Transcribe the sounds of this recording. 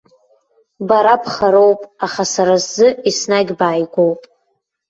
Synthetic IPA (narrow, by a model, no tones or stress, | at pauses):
baɾapʰχaɾowpʼaχasaɾazzɨisnaɡʲbaːjɡʷowpʼ